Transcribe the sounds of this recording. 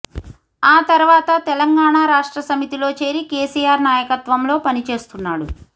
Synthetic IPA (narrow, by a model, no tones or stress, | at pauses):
aːt̪ɐɾuʋaːt̪ɐt̪ɛlɐŋɡaːɳaːɾaːʂʈɾɐsɐmit̪ilo̞ːt͡ʃe̞ːɾike̞ːsiːjaːɾnaːjɐkɐt̪ʋɐmlo̞ːpɐnit͡ʃe̞ːst̪unːaːɽu